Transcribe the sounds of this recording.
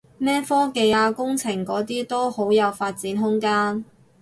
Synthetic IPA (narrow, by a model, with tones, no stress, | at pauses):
mɛː˥fɔː˥ke˧jaː˧kʊ˥ŋt͡sʰɪ˨˩ŋkɔː˨˥t̪iː˥t̪o˥who˨˥wjɐ˨˧wfaː˧t̚t͡siː˨˥nɦʊ˥ŋkaː˥n